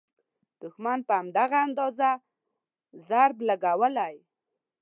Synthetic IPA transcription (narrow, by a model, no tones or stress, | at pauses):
d̪̥ʊxmanpəamd̪aɣaːnd̪ɑza | zaɾblaɡawəlaj